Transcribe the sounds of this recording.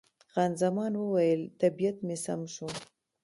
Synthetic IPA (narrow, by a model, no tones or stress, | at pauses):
ɣanzamɑnwəwajəlt̪abijat̪mesamʃu